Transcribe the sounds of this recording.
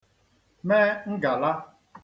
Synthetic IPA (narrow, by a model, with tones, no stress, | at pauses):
me˦ŋ̩˦ɡa˨la˦